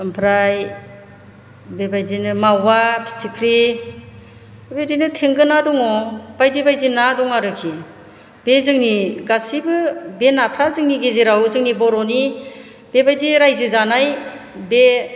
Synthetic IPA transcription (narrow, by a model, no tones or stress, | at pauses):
ɯmpʰɾaj | bebajdinɯmawapʰi̥t͡ʃikʰɾi | bebajdinɯtʰeŋɡɯnadɔŋɔb̥ajdibajdinadɔŋaɾɯkʰi | bezɯŋniɡasibɯbenapʰɾazɯŋniɡeziɾawzɯŋnibɔɾɔni | bebajdiɾajzɯzanajbe